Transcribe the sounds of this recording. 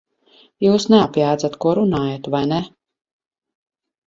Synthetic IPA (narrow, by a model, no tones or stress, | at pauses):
juːsnɛapjaːd̪zat̪kuɔɾunaːjat̪vajnɛ